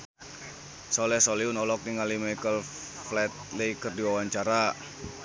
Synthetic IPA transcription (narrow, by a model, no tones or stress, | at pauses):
sɔlɛhsɔliunɔlɔk̚niŋalimajkəl | flɛt̪̚lekərdiwawaɲt͡ʃaɾa